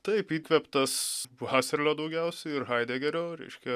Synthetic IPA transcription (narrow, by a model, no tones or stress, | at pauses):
t̪ɐɪpiːkʋʲɛpt̪ɐsʋʋɑːsʲɛɾʲlʲoːd̪ɐʊɡʲɛʊsʲɛɪɪrɦɐɪd̪ʲeːɡʲɛɾʲoːɾʲɛ̰ɪʃʲkʲɛ